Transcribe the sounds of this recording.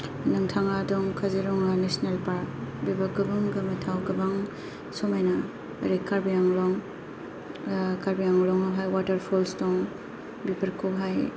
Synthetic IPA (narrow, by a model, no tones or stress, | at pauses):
nɯŋtʰaŋadɔŋkʰaziɾɔŋanesnelpaɾk̚bibaɡɯbɯŋɡamatʰawɡɐbaŋ | sɔmajna | ɾekːaɾbijaŋlɔŋ | kaɾbijaŋlɔŋaɦajwatɐɾpʰɔlstɔŋ | bipɐɾkʰɔɦaj